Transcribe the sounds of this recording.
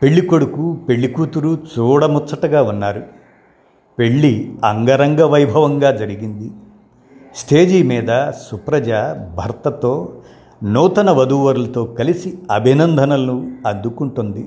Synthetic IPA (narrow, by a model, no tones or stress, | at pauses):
pe̞ɭːikoɽukupe̞ɭːikuːt̪uɾut͡ʃuːɽɐmut͡ʃt͡sːɐʈɐɡaːunːaːɾu | pe̞ɭːiɐŋɡɐɾɐŋɡɐʋɐjbʱɐʋɐŋɡaːd͡ʒɐɾiɡind̪i | sʈʰeːd͡ʒiːmiːd̪ɐsupɾɐd͡ʒaːbʱɐɾt̪ɐt̪o̞ː | nuːt̪ɐnɐʋɐd̪uːʋɐɾulɐt̪o̞ːkɐlisiɐbʱinɐnd̪ʱɐnɐlɐnuɐd̪ːukuɳʈund̪i